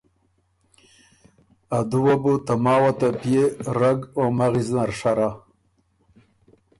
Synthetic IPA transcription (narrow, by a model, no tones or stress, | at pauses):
ad̪uwabut̪amɑːwat̪apjeɾaɡomaɣiznaɾʂaɾa